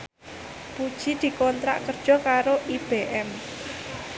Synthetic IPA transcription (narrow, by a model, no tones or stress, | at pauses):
pud̥ʒ̥i̤d̪̥i̤kɔnt̪ɾa̰ʔkərd̥ʒ̥ɔ̤kaɾoʔib̥eʔɛm